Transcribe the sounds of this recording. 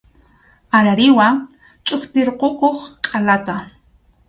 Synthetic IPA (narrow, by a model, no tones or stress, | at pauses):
aɾaɾɪwa | t͡ʃʼʊkt̪ɪɾqokoχkʼalat̪a